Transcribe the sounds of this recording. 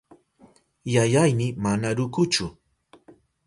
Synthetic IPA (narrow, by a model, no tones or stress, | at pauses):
jajajmɪmanaɾʊkʊt͡ʃʊ